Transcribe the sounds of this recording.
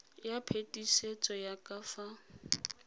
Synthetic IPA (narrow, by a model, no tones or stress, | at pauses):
japʰetʼiset͡sʼɔjakʼafa